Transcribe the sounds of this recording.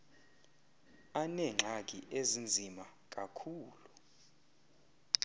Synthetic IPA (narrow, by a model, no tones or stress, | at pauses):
anɛŋ͡ǁʱak̬ʼiʔezind͡zʱimak̬ʼakʰuːlu